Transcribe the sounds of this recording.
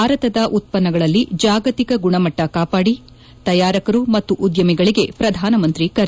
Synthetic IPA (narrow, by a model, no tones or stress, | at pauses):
aːɾɐt̪ɐd̪ɐʔut̪̚pɐnːɐɡɐɭɐlːid͡ʒaːɡɐt̪ikɐɡuɳɐmɐʈːɐkaːpaːɽi | t̪ɐjaːɾɐkɐɾumɐt̪ːuʔud̪jɐmiɡɐɭiɡe̞pɾɐd̪ʱaːnɐmɐnt̪ɾikɐɾ